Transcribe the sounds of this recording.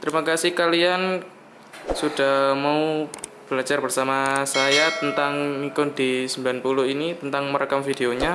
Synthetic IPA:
t̪ɾimakasikalian | sudahmau | b̥əlad͡ʒarbərsamasajat̪ənt̪aŋmikʊndisəmbilanpulʊhinit̪ənt̪aŋməɾəkamfideoɲa

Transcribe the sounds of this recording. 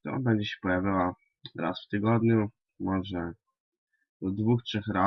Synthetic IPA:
t̪ɔ̰bɛɲd͡ʑɛɕɛ̥pɔjavʲiwa | ɾa̰sft̪ɘɡɔd̪ɲu | mɔʐɛ | ɔd̪vuxtʂɛxɾa

